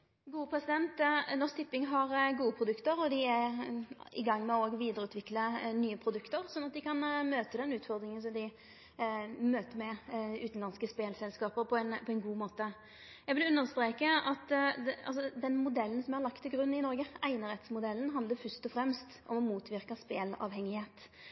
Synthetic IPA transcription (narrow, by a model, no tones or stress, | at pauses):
ɡuːəpʰɾɛsɪd̪ɛnt̪nɔst̪ɪpːɪŋɦɑɾɡuːəpʰɾʊd̪ʉkt̪əɾɔd̪ɪæ | ɪ̰ɡɑŋːmɛoːɡʋiːd̪əɾʉːt̪ʋɪklənyːəpʰɾʊd̪ʉkt̪əɾsɔnːɑt̪̚d̪ɪkʰɑnmøːt̪əd̪ɛnʉːt̪fɔʁd̪ɾɪŋəns̬ɔmd̪ɪ | møːt̪əɾmɛʉːt̪nlɑnskəspeːlsɛlskɑːpəɾpʰɔɛnpʰɔɛnɡuːmoːt̪ə | jɛɡʋɪlʉnːəʁst̪ɾeːkəʔɑt̪ɑ̰lsɔd̪ɛnmʊd̪ɛlːən̩sɔmæʁlɑk̚t̪ʰːɪlɡɾʉnːɪnɔɾɡəæɪnəɾɛt̪smʊd̪ɛlːn̩ɦɑnd̪ləɾfœst̪ɔfɾɛmst̪ʔɔmɔmuːt̪ʋɪʁkəspeːlɑ̰ːʋhɛŋːɪheːt̪